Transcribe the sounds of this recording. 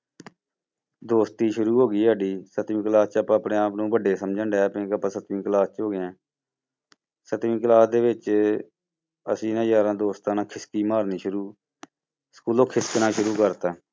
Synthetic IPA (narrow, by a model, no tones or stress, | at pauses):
d̪oːst̪iːʃʊɾuːɦoːɡiːaːɖiːsət̪ʋĩːklaːst͡ʃəpãːəpɳẽːaːpnũːbəɖeːsəmd͡ʒəɳɖɛːpẽːkəpãːsət̪mĩːklaːst͡ʃɦoːɡɪɛ̃ː | sət̪ʋĩːk̬əlaːsd̪eːʋɪt͡ʃ | ə̰sĩːnãːjaːɾãːd̪oːst̪ãːnãːkʰɪskiːmaːɾniːʃʊɾuː | skuːloːkʰɪsknãːʃʊɾuːkəɾt̪aː